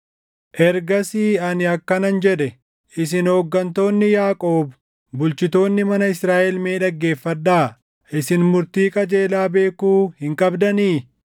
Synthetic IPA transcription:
ʔɛɾɡɐsiːɐnɪɐkːɐnɐnd͡ʒɛᶑɛ | ʔɪsɪnhoːɡːɐnt̪o̞ːnːɪjaːkʼoːb | bʊlt͡ʃɪt̪o̞ːnːɪmɐnɐɪsɾaːʔɛlmeːᶑɐɡːe̞ːfːɐd̪ːaː | ʔɪsɪnmʊɾt̪iːkʼɐd͡ʒe̞ːlaːbe̞ːkuːhɪŋkʼɐbd̪ɐniː

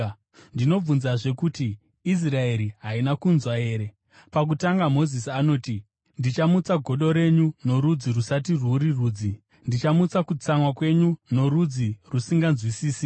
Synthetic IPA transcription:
ndino̞b͡vunzaʐe̞kutiː | s̬rae̞ɾiɦainakunzwae̞ːɾe̞ | pak̬utaŋɡamo̞zisiano̞ːti | ndit͡ʃamut͡saɡʱo̞ɗo̞ɾe̞ɲuno̞ɾud͡zirusatiruɾiruːd͡zi | ndit͡ʃamut͡sakut͡samwakwe̞ɲuno̞ɾud͡zirusiŋɡanzwisiːsi

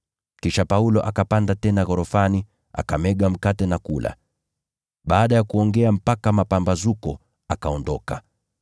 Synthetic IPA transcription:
kiʃapaulɔʔakapandatɛnaɣɔɾɔfani | a̰kamɛɠam̩katɛnakula̰ | ɓaːɗajakuɔŋɡɛam̩pakamapambazukɔ | akaɔndɔka

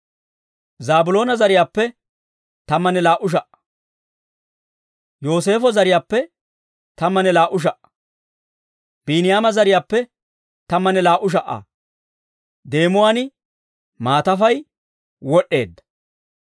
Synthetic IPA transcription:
zaːbʊlo̞ːnɐzɐɾɪjaːpːɛ | t̪ɐmːɐnɛlaːʔʊʃ̬ɐʔɐ̥ | jo̞ːs̬e̞ːfɔzɐɾɪjaːpːɛ | t̪ɐmːɐnɛlaːʔʊʃ̬ɐʔɐ̥ | b̥inɪjaːmɐzɐɾɪjaːpːɛ | t̪ɐmːɐnɛlaːʔʊʃ̬ɐʔːɐ̰ | d̪e̞ːmʊwaːnɪ | maːt̪ɐfɐj | wɔɗːe̞̰ːd̪ːɐ̥

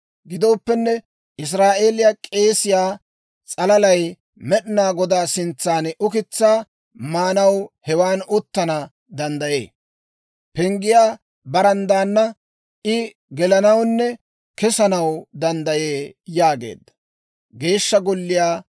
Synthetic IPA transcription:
ɡɪd̪o̞ːpːɛnːɛ | ʔɪs̬ɾaːʔe̞ːlɪjakʼe̞ːsɪjaː | t͡sʼɐlɐlɐj | mɛɗɪnaːɡɔd̪aːsɪnt͡sːaːnʊkɪt͡sːaː | maːnɐwhɛwaːnʊt̪ːɐnɐ | d̪ɐnd̪ɐje̞̰ː | pɛŋɡɪjaː | bɐɾɐnd̪aːnːɐ | ʔɪ | ɡɛlɐnɐwnːɛ | kɛsɐnɐwd̪ɐnd̪ɐjeːjaːɡe̞̰ːd̪ːɐ̥ | ɡe̞ːʃːɐɡɔlːɪjaː

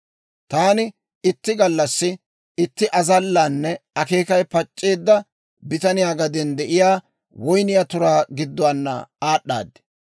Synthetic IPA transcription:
t̪aːnɪ | ɪt̪ːɪɡɐlːɐsːɪ | ɪt̪ːɪʔɐzɐlːaːnːɛɐke̞ːkɐjpɐt͡ʃʼːeːd̪ːɐ | bɪt̪ɐnɪjaːɡɐd̪ɛnd̪ɛʔɪjaː | wɔjnɪjat̪ʊɾaːɡɪd̪ːɔwaːnːɐ̰aːɗːa̰ːd̪ːɛ̥

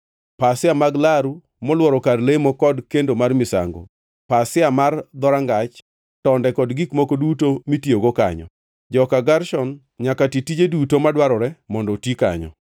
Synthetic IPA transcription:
pasɪamaɡlaɾu | mɔlwɔɾɔkaɾlemɔkɔdkendomarmɪsa̰ŋɡo̰ | pasɪamard̪ɔɾaŋɡat͡ʃ | tɔndɛkɔdɡikmokodutomitjoɡoka̰ɲɔ̰ | d͡ʒɔkaɡarʃɔn | ɲakatitid͡ʒedutomadwaɾɔɾɛmɔndɔtika̰ɲɔ̰

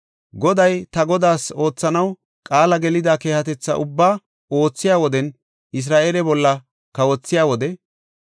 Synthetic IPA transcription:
ɡɔd̪ɐjt̪ɐɡɔd̪aːso̞ːt͡sːɐnɐw | kʼaːlɐɡɛlɪd̪aːke̞ːhɐt̪ɛt͡sːɐ̰ʔʊbːaː | o̞ːt͡sːɪjaːwɔd̪ɛn | ɪs̬ɾaːʔeːlɛbɔlːɐ | kɐwɔt͡sːɪjaːwɔd̪ɛ

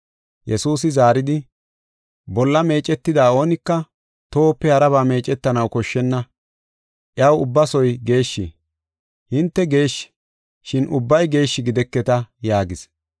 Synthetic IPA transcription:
jɛsuːs̬ɪzaːɾɪd̪ɪ | bɔlːɐme̞ːt͡ʃʼːɛt̪ːɪd̪aːo̞ːnɪkːɐ | t̪o̞ːpːɛhɐɾɐβaːme̞ːt͡ʃʼɛt̪ːɐnɐwkɔʃːɛnːɐ | ʔɪɐwʊbːɐsɔjɡe̞ːʃːɪ | hɪnt̪ːɛɡe̞ːʃː | ʃɪnʔʊbːɐjɡe̞ːʃːɪɡɪd̪ɛkːɛt̪ɐjaːɡɪs

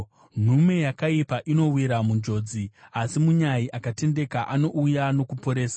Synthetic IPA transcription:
n̤ume̞jakaipaʔino̞wiɾamund͡ʒo̞ːd͡ziasimuɲaiʔakate̞nde̞kaʔano̞ʔujano̞kupo̞ɾe̞ːsa

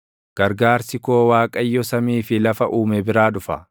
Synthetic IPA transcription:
ɡ̥ɐɾɡaːɾsɪkoːwaːkʼɐjːɔsɐmiːfɪlɐfɐʔuːmɛbɪɾaːᶑʊfɐ̰

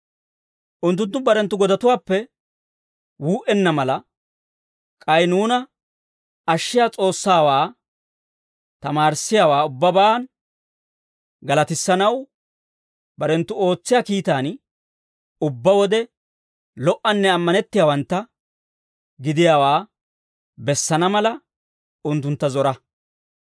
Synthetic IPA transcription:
ʔʊnt̪ːʊnt̪̬ːʊbɐɾɛnt̪ːʊɡɔd̪ɐt̪ʊwaːpːɛ | wuːʔɛnːɐmɐlɐ | kʼɐjnuːnɐ | ɐʃːɪjaːt͡sʼo̞ːsːaːwaː | t̪ɐmaːɾsɪjaːwaːʊbːɐban | ɡɐlɐt̪ɪsːɐnɐw | bɐɾɛnt̪ːʊo̞ːt͡sːɪjaːkiːt̪aːn | ʊbːɐwɔd̪ɛ | lɔʔːɐnːɛɐmːɐnɛt̪ːɪjaːwɐnt̪ːɐ | ɡɪd̪ɪjaːwaː | bɛsːɐnɐmɐlɐ | ʊnt̪ːʊnt̪ːɐzɔɾɐ

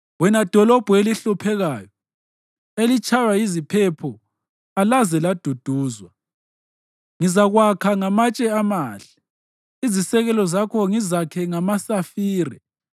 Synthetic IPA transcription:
wɛnad̥ʱɔlɔb̥ʱeliɬupʰɛɣaːjɔ | elit͡ʃʼʰajaizipʰɛpʰɔ | alazɛlad̥ʱud̥ʱuːzwa | ŋizaɣwakʰaŋamat͡ʃʼɛamaːɬɛ̥ | izisɛɣɛlɔzakʰɔŋizakʰɛŋamasafiːɾɛ̰

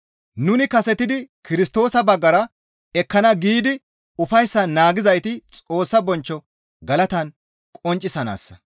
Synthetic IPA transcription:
nʊnɪkɐsɛt̪ɪd̪ɪkɪɾɪst̪o̞ːsɐbɐɡːɐɾɐ | ɛkːɐnɐɡiːd̪ɪ | ʊfɐjsːɐnaːɡɪzɐjt̪ɪt͡sʼo̞ːsːɐbɔnt͡ʃːɔ | ɡɐlɐt̪ɐn | kʼɔnt͡ʃʼːɪsɐna̰ːsːɐ̥

